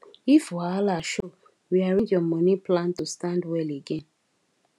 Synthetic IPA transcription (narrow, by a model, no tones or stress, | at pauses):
ifwalaʃo | wiaɹĩndjɔmɔniplãntustãndwɛleɡɛ̃n